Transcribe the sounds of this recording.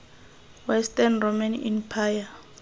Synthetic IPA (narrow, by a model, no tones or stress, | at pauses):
wɛstʼɛnromanḭmpʰaja